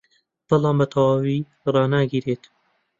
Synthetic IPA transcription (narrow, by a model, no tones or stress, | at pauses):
b̥ɨlˠɑːmbɐt̪ʰɐwaːwiː | rˤɑːnaːɡiɾeːt̪